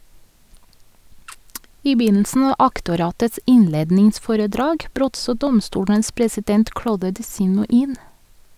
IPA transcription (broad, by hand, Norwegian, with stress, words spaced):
ˈiː ˈbyːnl̩sn̩ ˈɑː ˈʔɑktʊˌɾɑːtəts ˈɪnˌleːdnɪŋˌsfoːɾəˌdɾɑːɡ ˈbɾøːt ˈsoː ˈdɔmˌstuːɽəns pɹɛsɪˈdɛnt ˈkɽoːdə dɪˈsiːnʊ ˈiːn